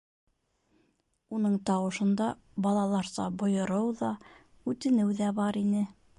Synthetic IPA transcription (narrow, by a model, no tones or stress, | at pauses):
unɤɴt̪ɑwɤ̆ʃɤ̆nd̪ɑ | bɑlˠɑlˠɑɾsɑ̰bŏjɤ̆ɾɤwðɑ | ʉt̪ɘ̆nɘwðæbɑɾinɘ